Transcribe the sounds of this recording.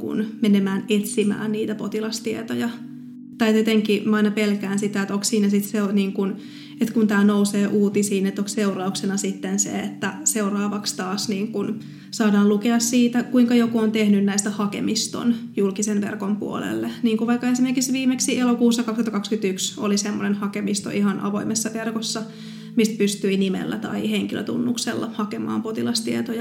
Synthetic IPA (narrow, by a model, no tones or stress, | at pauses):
kṵnmenemæːnet̪simæ̰ːnniːt̪æpot̪ilɑst̪iet̪ojɑ | t̪ɑjt̪et̪eŋkimɑinɑpelkæːnsit̪æet̪okssiːnæsit̪seoniːŋkun | et̪kunt̪æːnouseːʔuːt̪isiːnet̪ːokseurɑuksenɑsit̪ːensḛet̪ːæseurɑːʋɑkst̪ɑːsniːŋkun | sɑːdɑːllukeɑssiːt̪ækuiŋkɑjokuont̪ehnynnæist̪æhɑkḛmist̪o̰njulkisenʋḛrkompṵo̰lḛlːeniːŋkuʋɑikːɑesimerkiksʋiːmeksiʔelokuːsːɑkɑkst̪hɑt̪ːkɑkskyt̪ykso̰lisemːonenhɑkemist̪o̰ʔihɑnʔɑ̰ʋo̞̰imesːɑʋerkosːɑ | mist̪̚pyst̪yinimḛlːæ̰t̪ɑ̰iheŋkilø̰t̪ṵnːuksḛlːɑ̰hɑkemɑ̰ːmpot̪ilɑst̪iet̪ojɑ